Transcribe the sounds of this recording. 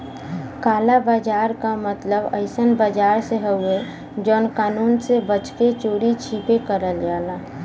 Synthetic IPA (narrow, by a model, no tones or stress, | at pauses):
kaːlabaːd͡ʒaːɾkamət̪ləbəɪsənbaːd͡ʒaːɾseɦəʊe | d͡ʒɔːnkaːnuːnsebət͡ʃket͡ʃoːɾit͡ʃʰipekəɾəld͡ʒaːlaː